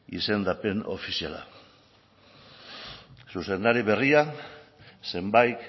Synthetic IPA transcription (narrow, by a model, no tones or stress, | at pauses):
ḭse̞nd̪ape̞no̞̰fisiala̰ | suse̞nd̪aɾiβe̞ria | se̞mbajt̪